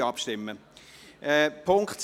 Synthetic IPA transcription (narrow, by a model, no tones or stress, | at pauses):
ɑpʃtɪmːəʔɛpʰʊŋkχts